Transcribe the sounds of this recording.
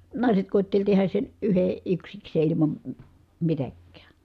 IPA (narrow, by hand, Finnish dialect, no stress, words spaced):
nɑˑiset koˑitːelʲ tehæs sen yhe yksikseː ilimɑm m̩ mitækːæː